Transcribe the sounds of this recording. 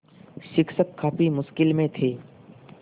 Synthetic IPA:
ʃɪkʃəkʰːaːpimʊʃkɪlmẽt̪ʰeː

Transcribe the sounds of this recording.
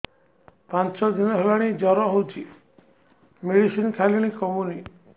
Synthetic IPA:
pant͡ʃɔd̪inɔɦelaɽ̃id͡ʒɔɾɔɦowt͡ʃʰi | meɽisinkʰaliɽ̃ikɔmuni

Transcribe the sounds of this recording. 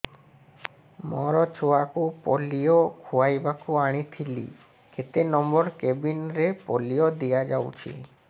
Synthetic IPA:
mɔɾɔt͡ʃʰoakupolijɔkʰuajbakuaɽ̃it̪ʰilḭ | kʰet̪enɔmbɔɾkebinɾepolijɔd̪ijad͡ʒawt͡ʃʰḭ

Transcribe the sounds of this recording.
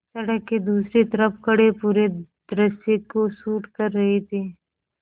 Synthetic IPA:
sɐɽəkːed̪uːsɾit̪ɐɾəpkɐɽepuːɾed̪̥ɾəsekosuːʈkɐɾːɐɦet̪ʰiː

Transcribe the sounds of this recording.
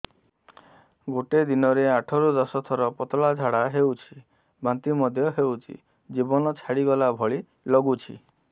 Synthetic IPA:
ɡoʈed̪inɔɾeaʈʰɔɾud̪ɔsɔt̪ʰɔɾɔpɔt̪ɔɭad͡ʒʱaɽaɦewt͡ʃʰi | bant̪imɔd̪ʱjɔɦewt͡ʃʰḭ | d͡ʒibɔnɔt͡ʃʰaɽiɡɔlabʱɔɭi | lɔɡut͡ʃʰḭ

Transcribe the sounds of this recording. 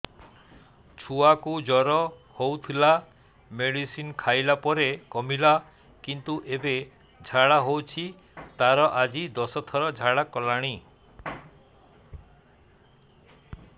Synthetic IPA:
t͡ʃʰuakud͡ʒɔɾɔhowt̪ʰila | meɽisinkʰajlapɔɾekɔmila | kint̪uʔebe | d͡ʒʱaɽaɦowt͡ʃʰi | t̪aɾɔʔad͡ʒid̪ɔsɔt̪ʰɔɾɔd͡ʒʱaɽakɔlaɽ̃i

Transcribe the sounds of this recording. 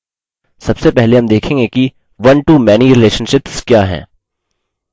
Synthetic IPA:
sɐbsepɛɦleɦɐmd̪eːkʰẽːŋɡeki | ʋɐnʈumɛːniɾɪleːʃə̃nʃɪpskjaːɦɛ̰̃ː

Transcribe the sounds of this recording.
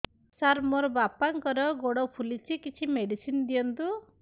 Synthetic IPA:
saɾmɔɾɔbapaŋkɔɾɔɡoɽɔpʰulit͡ʃʰikit͡ʃʰimeɖisinɔd̪ijɔnt̪u

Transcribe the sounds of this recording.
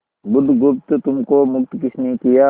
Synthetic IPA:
bʊd̪ɡʊpt̪t̪ʊmkomʊk̚t̪kɪsnikijaː

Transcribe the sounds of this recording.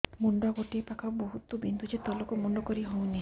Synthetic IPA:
muɳɖaɡoʈiepakʰaboɦut̪ubind̪ud͡ʒet̪ɔlɔkumuɳɖɔkɔɾiɦɔw̃ni

